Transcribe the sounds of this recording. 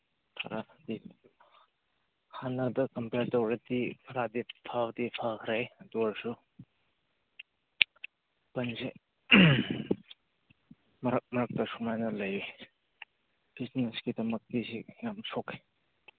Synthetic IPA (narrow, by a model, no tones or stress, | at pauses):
tʰa̰ɾadi | hanɐdɐkɐmpeɾtɐwɾedikʰɐɾadipʰawdipʰakʰɾajduaɾsu | pɐnze | mɐɾɐk̚mɐɾɐk̚tɐsumajnɐlɐji | b̥isneskidɐmɐk̚tisijamsoke̥